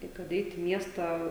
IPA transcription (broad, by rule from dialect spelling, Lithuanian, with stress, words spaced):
ˈtɐɪ kɐt ˈɛɪt ɪ ˈmʲiɛstɑː